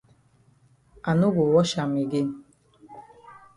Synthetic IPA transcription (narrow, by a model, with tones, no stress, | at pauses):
a˨nu˦bo˨wɔ˦ʃa˨mi˨ɡe˦